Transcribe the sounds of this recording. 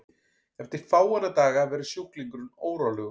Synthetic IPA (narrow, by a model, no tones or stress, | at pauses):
ɛft̪ɪɾ̥faːwanat̪aːɣavɛːɾɪ̥sjowhkliŋkɾʏnoːwɾalʏɣ